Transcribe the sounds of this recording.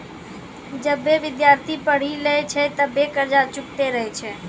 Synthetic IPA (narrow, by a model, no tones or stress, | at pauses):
d͡ʒəbːeʋɪd̪jaɾt̪ʰipəɽ̤ilet͡ʃʰɛt̪əbekəɾd͡ʒat͡ʃʊk̚t̪eɾəɦɛt͡ʃʰɛ